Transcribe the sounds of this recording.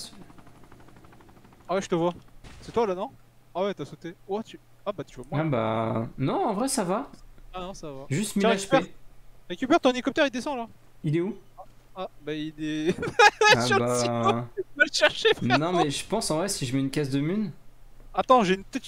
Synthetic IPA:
s | awɛʒət̪əvwasɛt̪walanɔ̃awɛt̪yasot̪ewat̪y | abat̪yvamwaaba̰nɔ̃ɑ̃vʁɛsavaanɔ̃savaʒyst̪mileaʃpɛɛʁekʲypɛʁt̪ɔ̃elikɔp̚t̪ɛʁild̪esɑ̃la | ilɛuabailɛ | aabai | aʃɛʁʃepnɔ̃mɛʒəpɑ̃sɑ̃vʁɛsiʒəmɛynkʲasd̪əmynat̪ɑ̃ʒeynpət̪ɛt̪

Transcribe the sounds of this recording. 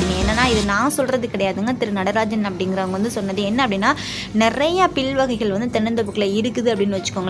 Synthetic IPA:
ɪŋɡẽɛːnːɐnːaːɪðɯnãːsɔlrɾɐðɯkɪɽɐjaːðɯŋɡɐt̪ɪɾɯnɐɽɐɾaːd͡ʒɐnɐpːɐɽɪŋɡɪɾɐʋɐŋɡɐʋɐnd̪ɯsɔnːɐðɯɛnːɐɐpːɐɽɪnːaː | nɪrɐjɐpɪɭʋɐɣɐɪɣɐɭʋɐnd̪ɯt̪ɛɳɯnd̪ɐpːɯkːɐlɐɪɾɯkːɯðɯɐpːɐɽɪnːɯʋɐt͡ʃːɯ̥kːoŋɡɐ

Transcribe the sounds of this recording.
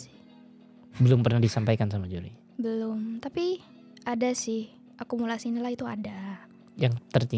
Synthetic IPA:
sɪ̥h | bəlʊmpərnahdisampajkansamad͡ʒuɾḭ | bəlʊmt̪api | ʔadasɪh | ʔakumulasinilahit̪ua̰da | jaŋt̪ərt̪i

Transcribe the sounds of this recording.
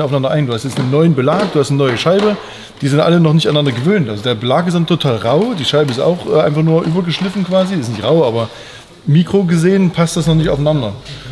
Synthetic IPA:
ʔaʊfanandɐʔaɪnduːhastjɛt͡stnənːɔʏənbəlaːk̚d̥uːhastnənɔʏəʃaɪbə | d̥iːzɪntʔa̰lənɔχnɪçtanːandɐɡəvøːntʔalzodeːɐbəlaːkɪs̬tdantʰotʰaːlʁaʊd̥iːʃaɪbəɪsta̰ʊxʔɛːʔaɪnfaχnuːɐʔyːbɐɡəʃlɪfn̩kv̥aːzisɪsnɪçtʁaʊʔaːbɐ | miːkʁ̥oɡəzeːənpʰast̚d̥asnɔχnɪçta̰ʊfanandɐ

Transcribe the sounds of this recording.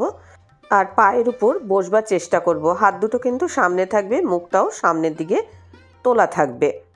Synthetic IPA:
o | aɾpaeɾupoɾbod͡ʑʱbaɾt͡ɕeʃʈakoɾboɦat̪̚d̪uʈokint̪uʃamnet̪ʰak̚bemukʈaoʃamneɾd̪iɡe | t̪olat̪ʰak̚be

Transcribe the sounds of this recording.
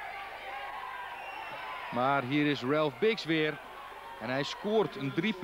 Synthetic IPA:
maːrɦiəɾɪsrɛlˠfbɪksʋɪːr | ɛnɦɛjskoːərtʰəndrip

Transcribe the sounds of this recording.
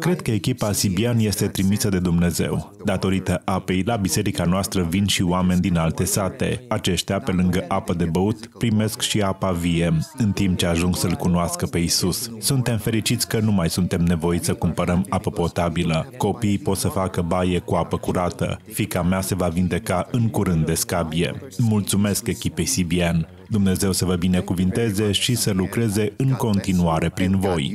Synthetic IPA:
kɾe̞d̪̚kəe̞kʲipasibianje̞st̪e̞t̪ɾimisəd̪e̞d̪umne̞ze̞̰w | d̪at̪o̞ɾit̪əʔape̞jlabise̞ɾikanoast̪ɾəvinʃioame̞nʲd̪inalt̪e̞sat̪e̞̰at͡ʃe̞ʃt̪eape̞lɨŋɡəʔapəd̪e̞bəut̪pɾime̞skʃiapavije̞ɨnt̪imp̚t͡ʃe̞aʒuŋɡsəlkunoaskəpe̞isussunt̪e̞mfe̞ɾit͡ʃit̪sʲkənumajsunt̪e̞mne̞vo̞it̪ʲsəkumpəɾəmapəpo̞t̪abiləko̞pijpo̞t̪səfakəbaje̞kuapəkuɾat̪ə̰fikamease̞vavind̪e̞kaʔɨŋkuɾɨnd̪d̪ːe̞skabie̞̰mult̪sume̞ske̞kʲipe̞jsibian | d̪umne̞ze̞wsəvəbine̞kuvɨnt̪e̞ze̞ʃisəlukɾe̞ze̞ʔɨŋko̞nt̪inuaɾe̞pɾinvo̞j

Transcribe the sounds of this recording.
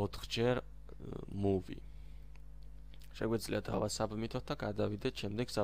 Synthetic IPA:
ɔt̪ʰχd͡ʒɛɾ | muvḭ | ʃɛɡwɛd̪zliad̪avasabmit̪ʰɔt̪̚d̪aɡad̪avid̪ɛt̪ʃɛmd̪ɛɡ̥sa

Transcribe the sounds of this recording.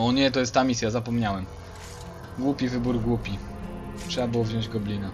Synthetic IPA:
ɔɲɛt̪ɔjɛst̪ːamʲisʲjazapɔmɲawɛm | ɡwupʲivɘbuɾɡwupʲitʂɛbabɘwɔvʑɔ̃d͡ʑɡɔblʲina

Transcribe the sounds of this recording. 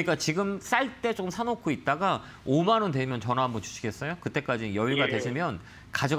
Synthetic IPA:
ɲik͈at͡ɕiɡɯms͈aɭt͈e̞t͡ɕ͈ok͈ɯmsʰanokʰoit̚t͈aɡa | omanʌnde̞imjʌnt͡ɕʌnambʌnt͡ɕu̥ɕʰiɡes͈ʌjokɯt͈e̞k͈ad͡ʑijʌiɭɡadwe̞ɕʰimjʌn | kad͡ʑʌ

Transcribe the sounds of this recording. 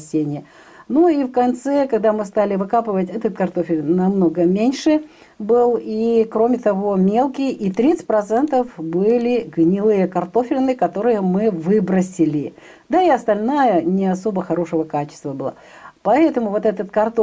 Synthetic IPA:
sʲːenʲɪjə | nuifkɐnt̪sɛkɐɡ̚d̪amɨst̪alʲɪvɨkapɨvətʲɛt̪ət̪̚kɐrt̪o̞fʲɪlʲnɐmno̞ɡəmʲenʲʂɨ | bɨlˠikɾo̞mʲɪt̪ɐvo̞mʲe̞lˠkʲɪjit̪ɾʲit̪sɨ̥t̚ʲpɾɐt̪sɛnt̪əfbɨlʲɪɡnʲɪlˠɨjəkɐrt̪o̞fʲɪlʲnɨkɐt̪o̞ɾɨjəmɨvɨbɾəsʲɪlʲɪ | d̪aɪɐst̪ɐlʲnajənʲɪɐso̞bəxɐɾo̞ʂɨvəkat͡ɕɪ̥st̪vəbɨlˠa̰ | pɐɛt̪əmʊvo̞t̪ɛt̪ət̪kɐrt̪o

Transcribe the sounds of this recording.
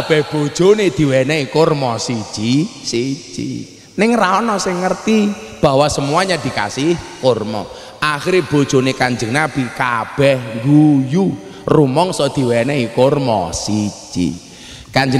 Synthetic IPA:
ab̥ɛhb̥o̥ʒ̥oned̪̥i̤wɛnɛikʊrmɔsi̥d͡ʒ̥isit͡ʃḭ | nɪŋraɔnɔsɪŋːərt̪i | b̥a̤wasəmuaɲad̪̥i̤ka̰sɪhkormɔ̰ | ʔaxiɾeb̥o̤d̥ʒ̥o̤nekaɲd͡ʒəŋnab̥i̤kab̥ɛhŋɡuju | rumɔŋsɔd̪̥i̤wɛnɛikormɔ̰si̥d͡ʒḭ | kaɲd͡ʒə

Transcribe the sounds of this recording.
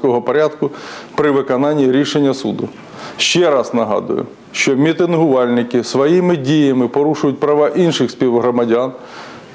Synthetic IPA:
kɔɦɔpɔɾʲad̪kʊpɾɪʋɪkɔnɑnʲːiɾʲiʃenʲːɐsṵd̪ʊ | ʃt͡ʃɛɾɑznɐɦɑ̰d̪ʊ̰jʊ̰ | ʃt͡ʃɔmʲit̪ɪnɦʊʋɑlʲnɪkɪsʋɔjimɪdʲijɐmɪpɔɾuʃʊjʊt̚ʲpɾɐʋɑʔinʃɪxsʲpʲiʋɦɾɔmɐdʲɑn

